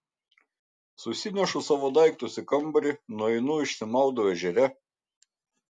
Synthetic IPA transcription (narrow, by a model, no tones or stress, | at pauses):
sʊsʲɪnʲɛʃʊsɑːʋoːd̪ɐɪkt̪ʊsʲɪkɐmbɐɾʲɪnuɔɛɪnuːɪʃʲsʲɪmɑˑʊd̪oːɛʒʲɛɾʲɛ